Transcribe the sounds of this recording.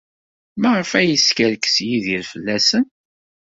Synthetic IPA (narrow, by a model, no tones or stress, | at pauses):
məʁəfæjəskəɾkə̥sjiðiɾfəlːæsən